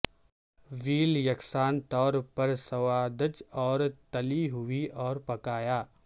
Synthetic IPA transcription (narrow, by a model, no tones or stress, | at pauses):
ʋiːljɐksaːnt̪ɔːɾpɐɾsɐʋaːd̪ət͡ʃɔːɾt̪ɐliɦʊiɔːɾpɐkaːjaː